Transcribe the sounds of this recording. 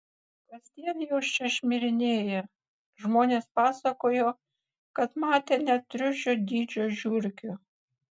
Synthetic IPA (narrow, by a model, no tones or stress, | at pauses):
kɐsʲt̪ʲiɛnjoːʃt͡ʃʲɛʃʲmʲɪɾʲɪnʲeːjɛ | ʒmoːnʲeːspɑːsɐkoːjoː | kɐt̪mɑːt̪ʲeːnʲɛt̪ʲɾʲʊʃʲoːd̪ʲiːd͡ʒʲoːʒʲuːɾʲkʲʊ